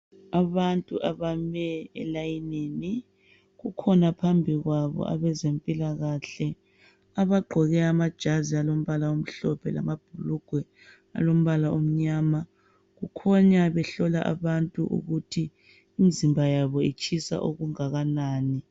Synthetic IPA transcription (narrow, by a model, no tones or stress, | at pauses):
aβantʼuʔaβamɛɛlajineːni | ɣukʰɔnapʰambʱiɣwaβɔ̰ʔa̰βɛzempʼilaɣaɬɛ | aβaɡ͡ǃʱɔɣɛamad̥ʒ̥ʱazialom̩βalaom̩ɬɔpʰɛla̰mab̥ʱuluɡ̥ʱwɛ | a̰lom̩βalaom̩ɲaːma | ɣukʰɔɲaβɛɬɔlaʔa̰βantʼṵʔṵɣutʰiː | mizimbʱajaβɔit͡ʃʰʼisa̰ʔuɣuŋaɣanaːni